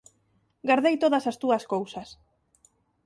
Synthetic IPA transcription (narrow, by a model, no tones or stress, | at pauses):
ɡaɾðejt̪oðɐsast̪uɐskowsɐs